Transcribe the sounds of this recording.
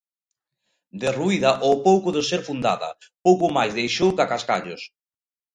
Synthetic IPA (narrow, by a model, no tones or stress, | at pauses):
d̪eruiðɐʔowpowkʊðɪseɾfund̪a̰ðɐ̰ | powkʊmajzðejʃowkakaska̰ʎos